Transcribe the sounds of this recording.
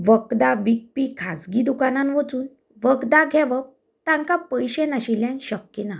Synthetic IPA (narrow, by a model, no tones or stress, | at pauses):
ʋəkd̪aʋik̚pikʰad͡zɡid̪ukanãnʋət͡suːn | ʋəɡd̪aɡʱɛʋəp̚ | t̪ãŋkapəjɕenaɕiljãnɕəkjinã